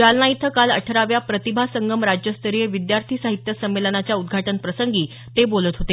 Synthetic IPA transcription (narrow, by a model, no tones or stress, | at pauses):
d͡ʑalnait̪ʰəkaləʈʰəɾaʋjapɾət̪ibʱasəŋɡəmɾad͡ʑjəst̪ʰəɾijəʋid̪jaɾt̪ʰiːsaɦit̪jəsəmːelənat͡ɕjaud̪ɡʱaʈənpɾəsəŋɡiː | t̪ebolət̪ɦot̪e